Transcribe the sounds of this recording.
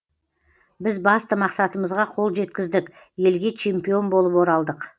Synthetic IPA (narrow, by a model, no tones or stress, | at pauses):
bɪzbɑst̪əmɑqsɑt̪əməzʁɑqʰo̞lˠʒe̞t̪kʲɪzd̪ɪkʲ | je̞lɡʲe̞t͡ʃʰe̞mpijo̞nbo̞lˠəpwo̞ɾɑlˠd̪əq